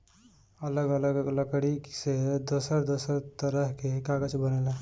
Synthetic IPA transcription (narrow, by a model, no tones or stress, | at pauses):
ələɡələɡɡləkɽiksed̪osəɾd̪osəɾt̪əɾəɦkekaɡəd͡ʒbənele